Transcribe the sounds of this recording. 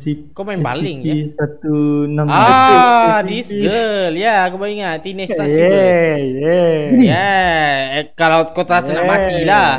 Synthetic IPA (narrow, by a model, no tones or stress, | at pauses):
sikomaɪmba̰liɪŋisat̪unəma | diskəljakupaliŋat̪inɪsajɛjɛnia | kalawkot̪asənəmat̪ila